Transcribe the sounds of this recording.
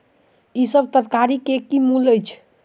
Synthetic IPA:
isəbt̪əɾkaɾikekimuləjt͡ʃʰ

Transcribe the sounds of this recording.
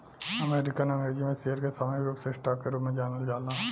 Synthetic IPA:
ɐmeːɾɪkənɐ̃ŋɡɾeːd͡ʒimẽsijəɾkesɐməjɾuːksesʈaːkːeɾuːpmẽd͡ʒaːnəld͡ʒaːlnaː

